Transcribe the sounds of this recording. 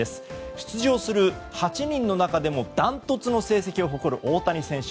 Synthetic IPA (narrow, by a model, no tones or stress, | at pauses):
e̞sɨ̥ɕi̥t͡sɨʑo̞ːsɨɾɯ̟hat͡ɕiɲ̟ĩnːo̞nakad̪e̞mo̞d̪̥ãnt̪o̞t͡sɨno̞se̞ːse̞kʲio̞ɦo̞ko̞ɾɯ̟ʔo̞ːt̪aɲ̟isẽ̞ɰ̃ɕ